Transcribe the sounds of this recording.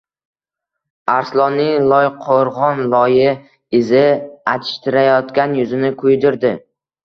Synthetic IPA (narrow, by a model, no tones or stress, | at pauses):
aɾslˠɒnːɪŋlˠɒjqʰoɾʁɒnlˠɒjɪ | ɪzɪat̪ʰɪ̥ʃt̪ʰɪɾajɒt̪kʲanjʊzɪnɪkʰʊjd̪ɪɾd̪ɪ